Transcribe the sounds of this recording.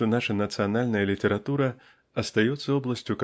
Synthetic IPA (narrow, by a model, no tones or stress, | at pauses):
ɔnaʂɐnɐt̪sɨjanalʲnɐjɐlʲit̪ɛɾat̪uɾɐ | ɐst̪ajɛt̪sːɐɔblˠɐsʲt͡sʲuk